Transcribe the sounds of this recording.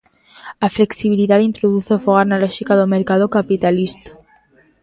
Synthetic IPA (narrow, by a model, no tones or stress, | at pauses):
afle̞ksiβiliðaðint̪ɾoðuθefoɣaɾnaloʃikaðomeɾkað̞okapit̪alist̪ḁ